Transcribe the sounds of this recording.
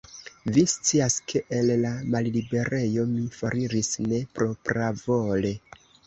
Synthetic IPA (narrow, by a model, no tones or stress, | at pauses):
vist͡siaskʰe̞ʔelːamallibe̞ɾe̞jo̞mifaɾiɾisne̞pɾo̞pɾavo̞le̞